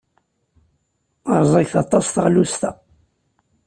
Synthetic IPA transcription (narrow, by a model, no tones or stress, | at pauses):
ɑɾˤzˤæçθɑt̪ˤːɑsθʁlust̪æ